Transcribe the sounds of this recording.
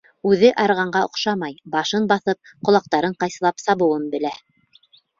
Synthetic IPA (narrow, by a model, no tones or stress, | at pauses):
ʉðɘʔɑɾʁɑɴɢɑŏ̰qʃɑmɑjbɑʃɤnbɑθɤp̚qŏlˠɑq̚t̪ɑɾɤɴqɑjsɤ̆lˠɑpsɑβɤ̆wɤnbɘ̆læ